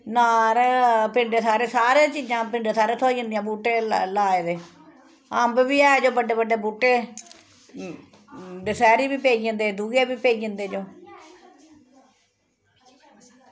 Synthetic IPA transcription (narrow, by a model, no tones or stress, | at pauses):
naːɾpɪɳɖeːsaːɾeːsaːɾeːt͡ʃiːd͡ʒãːpɪɳɖeːsaːɾeːt̪ʰoːiə̃nd̪ijãːbuːʈeːlaːed̪eː | əmbʋiːɛːd͡ʒoːbəɖeːbəɖeːbuːʈːeː | d̪eːsɛːɾiːbiːpeːiːd͡ʒənd̪eːd̪uːɡeːbiːpeːiːd͡ʒənd̪eːd͡ʒoː